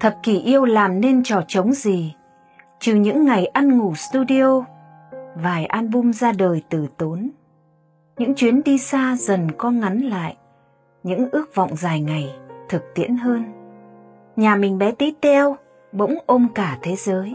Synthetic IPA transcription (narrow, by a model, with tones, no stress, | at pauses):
t̪ʰə˨˩p̚ki˧˩ʔi˧əwlaː˨˩mne˧nt͡ɕɔ˧˨˩t͡ɕə˨˦wŋ͡mzi˨˩ | t͡ɕɨ˨˩ɲɨ̰˧˥ŋːa˨˩jʔa˧nŋu˧˩st̪u˧ɗi˧o˧ | vaː˨˩jʔa˧nɓʊ˧mzaː˧ɗəː˨˩jt̪ɨ˨˩t̪o˨˦n | ɲɨ̰˧˥ŋt͡ɕwi˨˦ənɗi˧saː˧zə˨˩nkɔ˧ŋa˨˦nla̰ː˧˨jʔ | ɲɨ̰˧˥ŋʔɨ˦˥ək̚vɔ̰˧˨wŋ͡mzaː˨˩jŋa˨˩jt̪ʰɨ˨˩k̚t̪ḭ˧˥ənɦəː˧n | ɲaː˨˩mï˨˩ŋ̟ɓɛ˨˦t̪i˦˥t̪ʰɛ˧əw | ɓə̰˧˥wŋ͡mʔo˧mkaː˧˩t̪ʰe˨˦zəː˨˦j